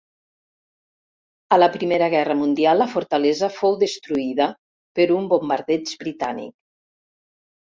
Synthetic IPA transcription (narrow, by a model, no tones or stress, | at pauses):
ələpɾimeɾəɣ̞ɛrəmund̪ialˠːəfoɾt̪alɛzəfowðəst̪ɾuiðə | pəɾumbombaɾðɛd͡ʒbɾit̪a̰nḭk